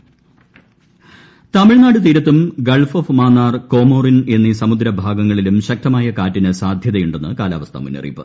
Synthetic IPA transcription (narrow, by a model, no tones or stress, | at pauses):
t̪ɐmiɭnaːɽɨt̪iːɾɐt̪ːumɡɐɭfofmaːnːaːrko̞ːmo̞ːrine̞nːisɐmud̪ɾɐbʱaːɡɐŋːɐɭilumɕɐk̚t̪ɐmaːjɐkaːtːinɨsaːd̪ʱjɐðɐjuɳɖenːɨkaːla̰ːʋɐst̪ʰɐ̰mṵnːɐ̰rḭpːɨ̰